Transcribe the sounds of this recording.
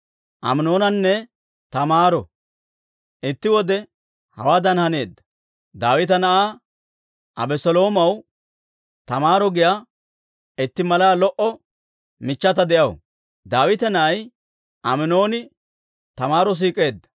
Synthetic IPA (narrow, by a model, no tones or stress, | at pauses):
ʔɐ̰mɪno̞ːnɐnːɛ | t̪ɐmaːɾɔ | ʔɪt̪ːɪwɔd̪ɛ | hɐ̰waːd̪ɐnhɐne̞ːd̪ːɐ̥ | d̪aːwɪt̪ɐnɐʔaː | tʔɐ̰bɛsɔlo̞ːmɐw | t̪ɐmaːɾɔɡɪjaː | ɪt̪ːɪmɐlaːlɔʔɔ | mɪt͡ʃːɐt̪ɐd̪ɛʔɐw | d̪aːwɪt̪ɛnɐʔɐj | ʔɐmɪno̞ːnɪ | t̪ɐmaːɾɔs̬iːkʼe̞ːd̪ːɐ̥